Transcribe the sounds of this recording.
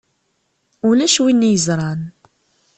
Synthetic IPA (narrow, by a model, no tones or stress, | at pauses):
ulæʃwinːijəzɾˤɑn